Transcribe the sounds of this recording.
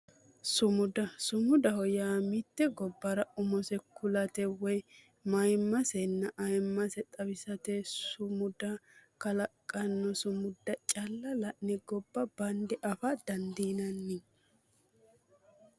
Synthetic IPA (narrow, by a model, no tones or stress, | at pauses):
sʊmʊd̪ɐsʊmʊd̪ɐhɔjaːmɪt̪ːɛɡɔbːɐɾɐʊmɔsɛkʊlɐt̪ɛwɔj | mɐjmːɐsɛnːɐʔɐjmːɐsɛt̪ʼɐbɪsɐt̪ɛsʊmʊd̪ɐkɐlɐkʼːɐnːɔsʊmʊd̪ːɐt͡ʃʼɐlːɐlɐʔnɛɡɔbːɐbɐnd̪ɛʔɐfɐd̪ɐnd̪iːnɐnːi